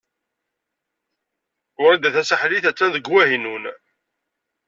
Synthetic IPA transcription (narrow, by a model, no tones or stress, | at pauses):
ʊɾæd̪æθæsəħliθæt͡sːænðəɡwæɦinun